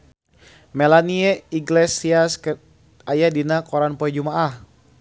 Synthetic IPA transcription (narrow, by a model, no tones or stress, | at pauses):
mɛlaniɛiɡlɛsiask | ajadinakɔɾanpɔɛd͡ʒumaʔah